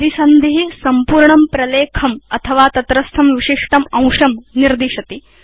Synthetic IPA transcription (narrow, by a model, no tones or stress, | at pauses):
d̪isɐnd̪iɦisɐmpuːɾɳɐmpɾɐleːkʰɐmɐt̪ʰɐʋaːt̪ɐt̪ɾɐst̪ʰɐmʋiʃiʂʈɐmɐ̃w̃ʂɐmniɾd̪iʃɐt̪i